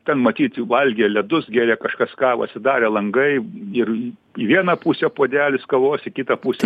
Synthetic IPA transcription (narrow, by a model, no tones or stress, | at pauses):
t̪ʲɛnmɐt̪ʲiːt̪ʋɐlʲɡʲelʲɛd̪ʊsɡʲæːɾʲeːkɐʃkɐskɑːɐ̰t̪ʲsʲɪd̪ɑːɾʲeːlˠɐŋɡɐɪɪr | iʋʲiɛnɑpuːsʲɛpoːd̪ʲæːlʲɪskɐʋoːsɪkʲɪt̪ɐpuːsʲɛ